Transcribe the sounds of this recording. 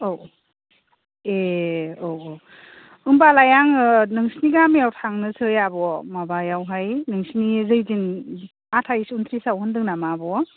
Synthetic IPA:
ow | eoo | ɯmbalajaŋɯnɯŋsniɡamjawtʰaŋnɯsʰɯjabɔmabajawɦajnɯŋsnizɯjzin | atʰajsunt̪ʰɾisawhɯndɯŋnamabɔ

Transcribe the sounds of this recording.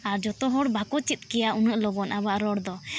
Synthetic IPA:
aɾd͡ʒɔt̪ɔɦɔɽbʱakɔt͡ʃit̪̚kɛjaʔunəʔlɔɡɔnʔabaʔɾɔɽd̪ɔ

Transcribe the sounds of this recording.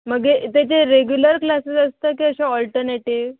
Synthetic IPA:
məɡeʔt̪et͡ɕeɾeɡjuləɾklaset͡səst̪akiəɕaɔlʈəɾneʈiʋ

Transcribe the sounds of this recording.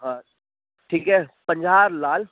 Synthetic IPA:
ɦãː | ʈʰiːkɦɛːpə̃ɲd͡ʒaːɾlaːl

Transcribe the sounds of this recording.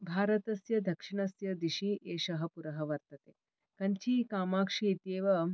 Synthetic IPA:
bʱaːɾɐt̪ɐsjɐd̪ʱɐkʂiɳɐsjɐd̪iɕiːʔeːʃɐɦɐpuɾɐɦɐʋɐɾt̪ɐt̪e | kɐnt͡ɕiːkaːmaːkʂiːt̪eːʋɐ

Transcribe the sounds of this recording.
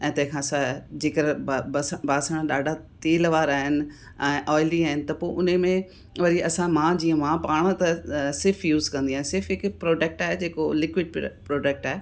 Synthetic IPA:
ɛ̃ːt̪ɐ̃ɦɪ̃kʰãːsãd͡ʑeːkəɾbbɐsbaːsəɽ̃ɗaːɖʱat̪eːlʋaːɾaːɦɪnɪ̆ | ɛ̃ːʔɔːɪliaːɦɪnɪ̆t̪ɐpoːʔʊnəmẽ | ʋɐɾiɐsãmãːd͡ʑiːə̃mãpaːɽ̃ə̃t̪ɐsɪɾfʰjuːzkɐ̃nd̪iaːɦɪ̃sɪɾfɦɪkpɾoːɖek̚ʈaːɦed͡ʑeːkolɪkʋɪɖ̚pɾoːɖek̚ʈaːɦe

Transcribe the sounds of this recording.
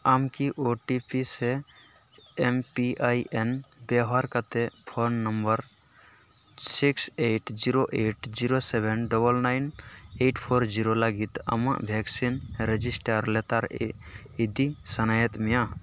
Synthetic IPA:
amkiʔoʈipise | empiʔajʔenbeɦaɾkət̪epʰonːəmbəɾ | sikseʈd͡ʒiɾoʔeʈd͡ʒiɾosebʱenɖəbəlnaɪneʈpʰoɾd͡ʒiɾolaɡit̪ə̰mə̰̃ʔbʱjeksinɾed͡ʒisʈəɾlet̪aɾ | id̪isənajet̪mijã

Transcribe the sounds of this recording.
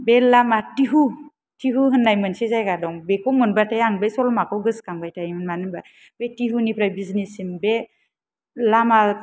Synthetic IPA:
belamatiɦu | tʰiɦuɦɯnːajmɯnsizajɡadɔŋbekɔmɯnbatajaŋbajsɔlmakɔwɡɯskaŋbajtʰajmɯnmanɯba | b̥etiɦunipʰɾajbiznisimbe | lama

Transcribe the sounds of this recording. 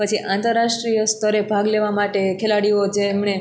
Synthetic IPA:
pət͡ʃʰiʔãnt̪əɾːaʃʈɾijəst̪ʰəɾebʱaɡleʋamaʈekʰelaɽiod͡ʒemɳ̃e

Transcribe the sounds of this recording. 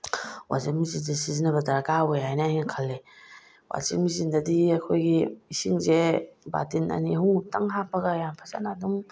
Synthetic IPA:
wʔa̰zikmizinzesizinɐβɐdɐɾɡawejɦajnɐajnɐkʰalːe | wa̰zḭmizindɐdiakʰojɡiisiŋzeba̰tinɐ̰niɐɦutaŋɦapɐɡɐjampʰasa̰nadum

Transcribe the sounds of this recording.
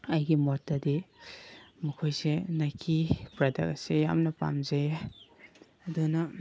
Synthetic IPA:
ɐjɡimɔtːɐdi | mɐkʰojsenajkʰipɾɐdɐ̰k̚seja̰mnɐpa̰mze | ɐdunɐ

